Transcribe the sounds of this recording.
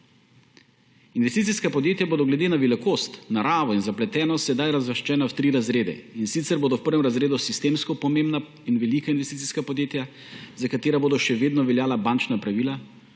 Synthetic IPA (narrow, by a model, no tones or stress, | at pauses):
inʋɛst̪it̪siskapɔd̪jeːt̪jaboːd̪ɔɡlɛd̪eːnaʋɛlikoːst̪naɾaːʋɔinzaplɛt̪ɛːnɔsɛd̪ajɾazʋəʃt͡ʃɛːnawt̪ɾiɾazɾeːd̪ɛ̰insit̪sɛɾboːd̪ɔwpəɾʋɛmɾazɾeːd̪usist̪eːmskɔpɔmẽmbna | inʋɛlikainʋɛst̪it̪iskapɔd̪jeːt̪ja | zakat̪eːɾaboːd̪ɔʃɛʋeːd̪nɔʋɛljaːlabant͡ʃnapɾaʋiːla